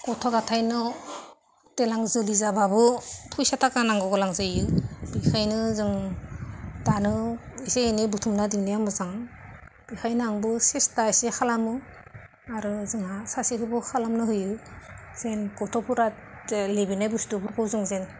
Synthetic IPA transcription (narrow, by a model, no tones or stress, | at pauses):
kɔtʰɔɡatʰajnɔ | telaŋzɯlizababɯpʰujsatʰakanaŋɡɔɡɯlaŋzɯjɯb̥ikʰajnɯzɯŋ | danɯiseːnibutʰumnadiŋnijamɯzaŋ | b̥ikʰajnɯaŋbɯsestaisekʰalamɯ | aɾɯzɯŋasasiɦɯbɯkʰalamnɯɦɯjɯz̥enkɔtʰɔpʰuɾa | lebinajbustubukʰɯwzɯŋzen